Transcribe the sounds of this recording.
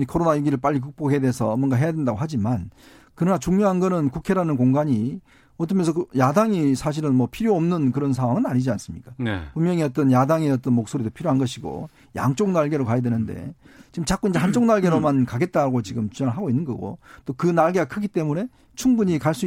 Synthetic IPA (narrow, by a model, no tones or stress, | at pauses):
kʰʌɾonaiɡiɾɯɭp͈aʎːik̬ɯk̚p͈ohedesʰʌmwʌnɡaɦe̞jadwendaɡoɦad͡ʑiman | kɯɾʌnat͡ɕuŋɲoɦanɡʌnɯnkukʰe̞ɾanɯnkoŋɡaɲi | ʌt͈ʌmjʌnsʰʌjadaŋisʰaɕ̬ʰiɾɯnmʌpʰiɾjoʌmnɯnkɯɾʌns̬ʰawaŋɯnaɲid͡ʑians͈ɯmɲik͈apunmjʌŋiʌt͈ʌnjadaŋeʌt͈ʌnmok̚s͈oɾidopʰiɾjoɦanɡʌɕʰiɡo̰ | ja̰ŋt͡ɕ͈oŋnaɭɡe̞ɾokajadwe̞nɯnde̞̰t͡ɕiɡɯmt͡ɕak͈uind͡ʑe̞hant͡ɕ͈oŋnaɭɡe̞ɾomankaɡe̞t̚t͈aɾaɡot͡ɕiɡɯmt͡ɕud͡ʑʌŋɯɭɦaɡoinːɯnɡʌɡo̰t͈okɯnaɭɡe̞ɡakʰɯɡit͈e̞mune̞ | t͡ɕʰuŋbuɲikaɭs͈u